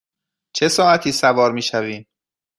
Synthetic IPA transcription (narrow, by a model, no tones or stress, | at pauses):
t͡ʃʰe̞sɒːæt̪ʰiːsævɒːɾmiːʃæviːm